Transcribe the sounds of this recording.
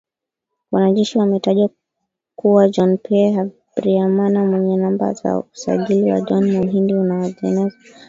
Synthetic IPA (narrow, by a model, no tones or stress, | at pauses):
wanaʄɛʃiwamɛtaʄwa | kuwad͡ʒɔnpʰɛa | bɾiamanamwɛɲɛnamba̰za̰usa̰ʄiliwa̰d͡ʒɔnmɔɦindiunaɔzɛnɛza